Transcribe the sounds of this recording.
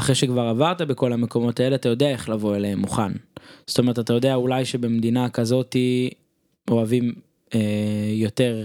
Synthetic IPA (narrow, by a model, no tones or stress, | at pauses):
aχʁeʃekvaʁavaʁt̪abeko̞lameko̞mo̞t̪aeleat̪ajo̞d̪eae̞χlavo̞e̞leemːuχanzz̥otomeʁetat̪ajo̞d̪eaulajʃe̞be̞md̪inakazo̞t̪i | o̞avim | ejo̞t̪e̞ʁ